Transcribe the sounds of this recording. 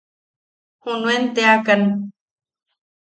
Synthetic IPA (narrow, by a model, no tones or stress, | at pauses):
hunuent̪eakan